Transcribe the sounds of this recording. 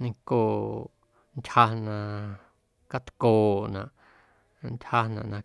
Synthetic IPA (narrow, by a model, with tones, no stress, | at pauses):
nĩ˧ŋkoː˨ | ntʲha˧nã˧ | ka˧t̪koː˨ʔnã̰˨ʔ | ntʲha˧nã̰˨ʔnã˧